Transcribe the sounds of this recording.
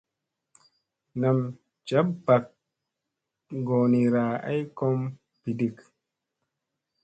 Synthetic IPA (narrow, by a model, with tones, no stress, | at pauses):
na˨m | t͡ʃa˦bba˨k̚ | ɡo˨ni˨ɾaː˨a̰˦jkɔ˦m | pi˨di˨k